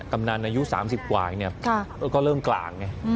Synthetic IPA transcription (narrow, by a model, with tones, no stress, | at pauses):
ka˧mna˧nʔaː˧ju˦˥sa̰ː˩˦ms̬i˨˩p̚kwa̰ː˨˩ni˥˩ɐkʰa˧˩˧kɔː˥˩ɾɤː˥˩mkla̰ː˨˩ŋːa˦˥